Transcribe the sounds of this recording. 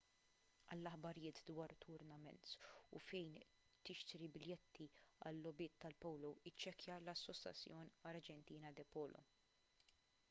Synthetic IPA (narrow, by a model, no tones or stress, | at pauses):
ɐlːɐħbɐɾɪjɪːt̪d̪wɐːɾt̪ʰʊɾnɐmɛ̰nt̪ṵfɛjn | t̪ɪʃt̪ɾibɪljɛt̪ʰːiɐ̰lːɔbɪːt̪ʰːɐlpɔwlɔɪt͡ʃːɛkjɐlɐsːɔsjɐ̰t͡sːjɔːnɐɾd͡ʒɛnt̪iːnɐd̪ɛpɔːlʔɔ̰